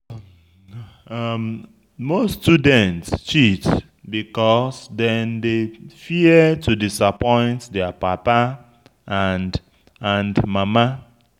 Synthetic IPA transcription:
m | mostudɛ̃ntst͡ʃit | bikɔsdɛ̃ndefiətʰudisapɔ̃ɪ̃ntdɛapapa | and | ãndmama

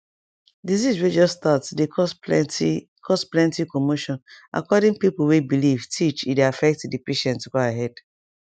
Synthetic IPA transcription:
diziswed͡ʒɔstatdeɔs | kʰɔsplɛ̃ntikomoʃɔ̃nʔa̰kɔdĩŋpipowebiliv̥tʰit͡ʃideafɛk̚tdipeʃɛ̃ntɡoaɦɛd̥

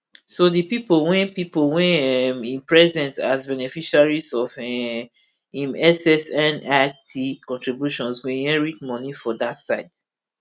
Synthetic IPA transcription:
sodipipolwɛ̃npipolwɛ̃mĩnpɹɛzɛ̃ntazbɛnefiʃaɹizɔfɛ | ĩmɛsɛsɛ̃natʰikɔ̃ntɹibjuʃɔ̃nsɡẽjɛ̃ɹitmɔ̃nifɔdatsaɪd̥

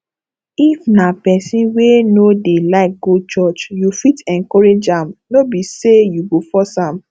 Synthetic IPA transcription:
ifnapɛsĩnwenodelaɪk̚ɡ̥ot͡ʃɔt͡ʃjufitɛ̃nkɔɹed͡ʒãmnobisejuɡofɔsãm

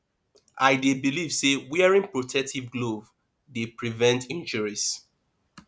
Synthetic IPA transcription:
ʔaɪdebilivsewiɛɹĩŋpɹotʰɛk̚tʰivɡlov | depɹivɛ̃ntʰĩnd͡ʒuɹis

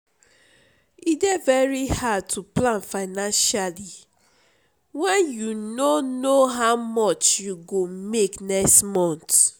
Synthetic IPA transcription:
idɛvɛɹihad̚tʰuplãnfaɪnãnʃali | wɛ̃njunonoɦaʊmɔt͡ʃjuɡomeknɛkstmɔ̃nt

